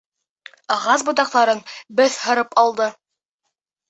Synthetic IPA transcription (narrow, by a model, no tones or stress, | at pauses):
ɑʁɑsbŭt̪ɑq̚t̪ɑɾɤnbɘθhɤ̆ɾɤpɑlˠd̪ɤ